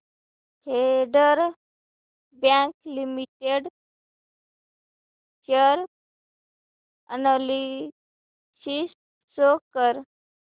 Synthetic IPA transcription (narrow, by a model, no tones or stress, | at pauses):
heɖəɾ | bjãklimiʈeɖ | t͡ɕəɾ | ə̰nali | sis | sokəɾ